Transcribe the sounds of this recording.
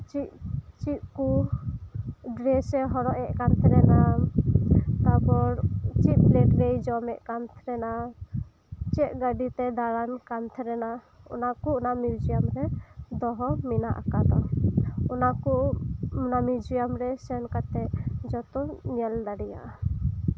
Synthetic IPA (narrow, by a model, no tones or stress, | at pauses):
t͡ʃiʔt͡ʃiʔ̚ku | ɖɾɛsɛɦɔɾɔʔɛʔkant̪ʰɛɾɛna | t̪abɔɾt͡ʃit̪̚plɛʈɾejd͡ʒɔmɛʔkant̪ʰɾɛna | t͡ʃɛʔɡaɖit̪ɛd̪aɽankant̪ʰɾɛna | ɔ̰nakunamjud͡ʒijamɾɛd̪ɔɦɔminaʔa̰kad̪ɔ̰ɔnaku | namjud͡ʒijamɾɛsɛnkat̪ɛd͡ʒɔt̪ɔnɛlɖ̪aɽija̰ʔ